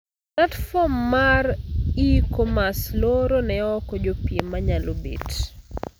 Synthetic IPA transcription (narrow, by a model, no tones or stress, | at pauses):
natfɔmːaɾikomasloɾonɛɔkɔd͡ʒopiemaɲalobḛt